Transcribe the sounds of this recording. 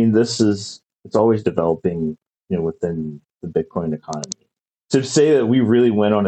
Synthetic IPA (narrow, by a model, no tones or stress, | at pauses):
ĩnðɪsɪz | ɨtsɔlˠwizdɨvɛlˠəpɪ̃ŋ | jɨnoʊwəθɪ̃n | ðɨbɪd̚kʰɔ̃ɪ̃nɨkʰɑnəmi | tʰɨseɪðɨt̚wiɹɪlˠiwɛ̃ɾ̃n̩ɨ